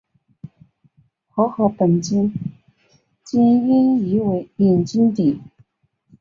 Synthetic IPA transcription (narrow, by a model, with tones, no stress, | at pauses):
xɔ˧˥xɤ˧˥pə˨˩nt͡ɕi˥n | t͡ɕɛ˥ni˥ni˧˥we˧ɪi˨˩nt͡ɕi˥nt̪i˨˩˦